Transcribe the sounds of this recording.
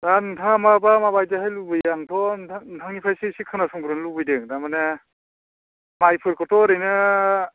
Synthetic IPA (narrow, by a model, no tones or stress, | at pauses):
zantʰamabamabajzaɦajlubɯjaŋtʰɔntʰaŋnipʰajsisikʰːɯnasɔŋɡɾɯnlubɯjdɯŋdamane | majpʰɯɾkʰɔtʰɔɾɯjnɯ